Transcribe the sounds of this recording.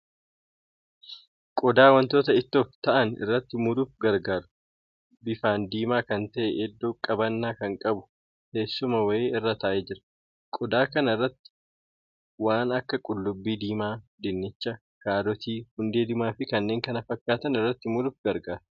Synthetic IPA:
kʼɔd̪aːwɐnt̪o̞ːt̪ɐɪt̪ːoːft̪ɐʔɐnɪ̰rːɐt̪ːɪmʊd̪ʊfɡɐɾɡaːɾʊ̥ | bɪfaːnd̪iːmaːkɐnt̪ɐʔɛʔɛd̪ːoːkʼɐbɐnːaːkɐŋkʼɐbʊ | he̞ːsːʊmɐwɐeːɪrːɐt̪ɐʔeːd͡ʒɪɾɐ̥ | kʼɔd̪aːkɐnɪrːɐt̪ːɪ̥ | waːnɐkːɐkʼʊlːʊbːiːd̪iːmaːd̪ɪnːɪt͡ʃːɐ | kaːd̪ɔt̪iːhʊnd̪e̞ːd̪ɪmaːfɪkɐnːe̞ːŋkɐnɐfɐkːaːt̪ɐnɪrːɐt̪ːɪmʊd̪ʊfɡɐɾɡaːɾ

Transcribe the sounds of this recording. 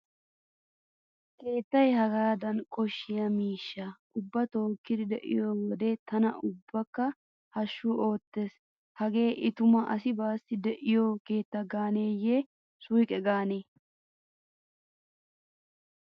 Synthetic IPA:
ke̞ːt̪ːɐjhɐɡaːd̪ɐnkʼɔʃːɪjɐmiːʃːɐʔʊbːɐt̪o̞ːkːɪd̪ɪd̪ɛʔɪ̰joːwɔd̪et̪ɐnɐʊbːɐkːɐ | hɐʃːʊo̞ːt̪ːe̞ːs | hɐɡe̞ːʔɪt̪ʊmɐʔɐsɪbaːsɪd̪ɛʔɪjoːke̞ːt̪ːɐɡaːneːje | sʊjkʼɛɡaːneː

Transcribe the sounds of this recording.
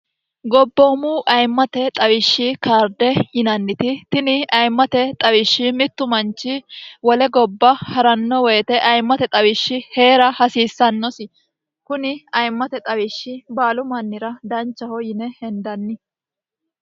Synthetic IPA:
ɡɔbːoːmuːʔɐjmːɐt̪ɛt̪ʼɐwɪʃːɪkaːɾd̪ɛjɪnɐnːɪt̪ɪt̪ɪnɪʔɐjmːɐt̪ɛt̪ʼɐwɪʃːɪmɪt̪ːʊmɐnt͡ʃːɪwɔlɛɡɔbːɐhɐɾɐnːɔwɔjt̪ɛʔɐjmːɐt̪ɛt̪ʼɐwɪʃːɪhe̞ːɾɐhɐsiːsːɐnːɔsɪ | kʊnɪɐjmːɐt̪ɛt̪ʼɐwɪʃːɪbaːlʊmɐnːɪɾɐd̪ɐnt͡ʃːɐhɔjɪnɛhɛnd̪ɐnːɪ

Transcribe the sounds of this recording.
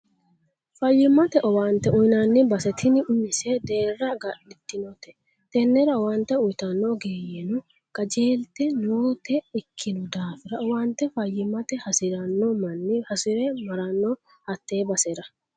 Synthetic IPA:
fɐjːɪmːɐt̪ɛʔɔwaːnt̪ːɛʊjnɐnːɪbɐsɛt̪ʰɪnɪʊmɪsɛd̪e̞ːrːɐɡɐʔɪt̪ːɪnɔt̪ɛ̥ | t̪ɛnːɛɾɐwɐnt̪ːɛʊjt̪ɐnːɔɡeːjɛnʊ | kʼɐd͡ʒeːlt̪ɛnoːt̪ɛɪkʰːɪnʊd̪aːfɪɾɐɔwant̪ːɛfɐjːɪmɐt̪ɛhɐsɪɾɐnːɔmɐnːɪhɐsɪɾɛmɐɾɐnːɔ | hɐt̪ːe̞ːbɐsɛɾɐ

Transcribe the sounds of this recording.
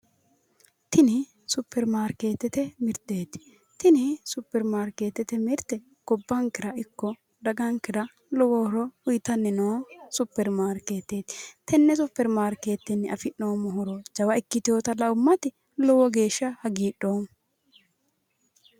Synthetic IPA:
t̪ɪnɪ | sʊpːɛɾmaːɾke̞ːt̪ːɛt̪ɛmɪɾt̪e̞ːt̪ɪ̥ | t̪ɪnɪsʊpːɛɾmaːɾke̞ːt̪ːɛt̪ɛmɪɾt̪ːɛ | ɡ̥ɔbːɐŋkːɪɾɐɪkːɔ | d̪ɐɡɐŋkɪɾɐ | lɔwɔɾɔʊjt̪ɐnːɛnoːsʊpːɛɾmaːɾke̞ːt̪ːeːt̪ɪ̥t̪ɛnːɛsʊpːɛɾmaːɾke̞ːt̪ːɛnːɪɐfɪnːoːmɔɦɔɾɔd͡ʒɐwɐɪkːɪt̪ɪoːt̪ɐlɐʊmːɐt̪ɪ | lɔwɔɡe̞ːʃːɐhɐɡiːɗːoːn

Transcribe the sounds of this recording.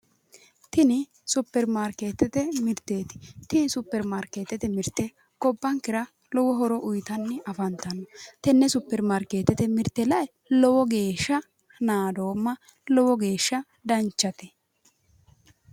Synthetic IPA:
t̪ɪnɪ | sʊpːɛɾmaːɾkeːt̪ːɛt̪ɛmɪɾt̪ːeːt̪ɪ̥t̪ɪnɪsʊpːɛɾmaːɾkeːt̪ːɛt̪ɛmɪɾt̪ːɛ | kɔbːɐŋkɪɾɐ | lɔwɔɦɔɾɔʔʊjt̪ɐnːɪʔɐfɐnt̪ɐnːɔt̪ɛnːɛsʊpːɛɾmaɾkeːt̪ɛt̪ɛmɪɾt̪ːɛlɐj | lɔwɔɡe̞ːʃːɐ | naːd̪o̞ːmːɐ | lɔwɔɡe̞ːʃːɐ | d̪ɐnt͡ʃːɐt̪ɛ

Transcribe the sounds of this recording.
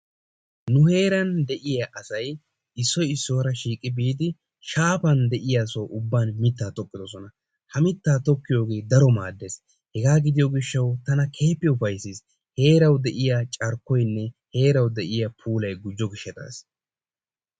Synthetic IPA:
nʊhe̞ːɾɐnd̪ɛʔɪjaʔɐsɐj | ɪsːɔɪsːo̞ːɾɐʃiːkʼːɪbiːd̪ɪ | ʃaːpɐnd̪ɛʔɪjaːsoʔʊbːaːnmɪt̪ːaːt̪ɔkːɪd̪ɔsɔnɐ | hɐmɪt̪ːaːt̪ɔkːɪjo̞ːɡe̞ːd̪ɐɾɔmaːd̪ːe̞s | hɛɡaːɡɪd̪ɪjɔɡɪʃːɐwt̪ɐnɐkʰe̞ːpːɪʊfɐjsis | he̞ːɾɐwd̪ɛʔɪjat͡ʃʼɐɾkːɔjnːɛhe̞ːɾɐwd̪ɛʔɪjɐpʰuːlɐjɡʊd͡ʒːɔɡɪʃːɛt̪a̰ːs

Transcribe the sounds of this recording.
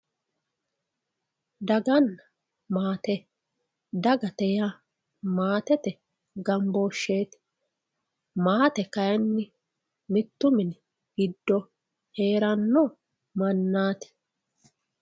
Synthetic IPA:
d̪ɐɡɐnːɐ | maːt̪ɛ | d̪ɐɡɐt̪ɛja | maːt̪ɛt̪ɛ | ɡɐmboːʃːeːt̪ɪ̥ | maːt̪ɛkɐjɛnːɪ | mɪt̪ːʊmɪn | ɡ̥ɪd̪ːɔ | he̞ːɾɐnːɔ | mɐnːaːt̪ɪ̥

